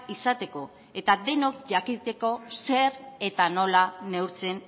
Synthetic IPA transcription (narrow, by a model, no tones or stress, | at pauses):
isat̪e̞ko̞ | e̞t̪aðe̞no̞kʝakit̪e̞ko̞se̞ɾe̞t̪ano̞lane̞uwɾt͡se̞n